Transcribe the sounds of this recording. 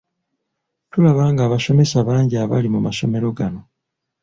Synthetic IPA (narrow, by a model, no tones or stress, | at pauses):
tulaβaːŋɡaːβaʃo̞me̞saβaːɲɟiaβa̰limumaso̞me̞ɾo̞ɡano̞